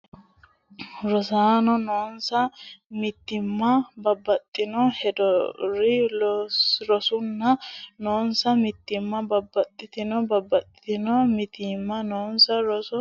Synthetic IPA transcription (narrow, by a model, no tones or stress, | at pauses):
ɾɔsaːnɔnoːnsɐmɪt̪ːɪmːɐbɐbːɐt̪ʼːɪnɔhɛd̪ɔɾɪlɾɔsʊnːɐnoːnsɐmɪt̪ːɪmːɐbɐbːɐt̪ʼːɪt̪ɪnɔbɐbːɐt̪ʼɪ̥t̪ɪnɔmɪt̪ɪmːɐnoːnsɐɾɔsɔ